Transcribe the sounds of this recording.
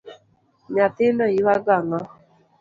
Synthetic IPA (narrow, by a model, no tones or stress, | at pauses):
nat̪ɪnɔiwaɡaŋa